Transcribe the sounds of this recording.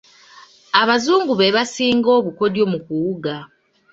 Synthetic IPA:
aβazuːŋɡuβe̞βasiːŋɡo̞ːβuko̞djo̞mukuuɡa

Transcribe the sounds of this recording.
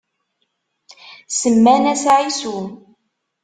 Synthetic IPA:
səmːænæsʕisu

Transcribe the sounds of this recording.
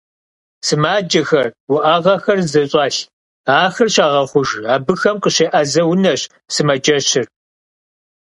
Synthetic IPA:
sɨmaːd͡ʒɐxɐrwʊʔaʁɐxɐrzɐɕʼɑːɬ | aːxɐrɕaːʁɐχʷʊʒaːbɨxɐmqəɕeːʔɐzɐwʊnɐɕ | sɨmɐd͡ʒɐɕɪr

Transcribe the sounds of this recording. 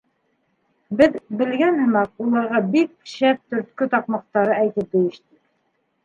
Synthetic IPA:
bɘðbɘ̆lɡænhɤ̆mɑq̚ulˠɑɾʁɑbik̚ʃæp̚t̪ɵ̆ɾt̪̚kɵt̪ɑqmɑq̚t̪ɑɾɤæjt̪ɘp̚d̪ɵ̆jɘ̆ʃt̪ɘk

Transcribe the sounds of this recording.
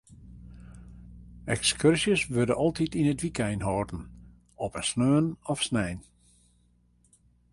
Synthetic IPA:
ɛkskørsjəsʋørdəʔɔlˠtitinətʋikʰɛjnɦɔrtən̩ | ɔpəsnøːənɔfsnɛjn

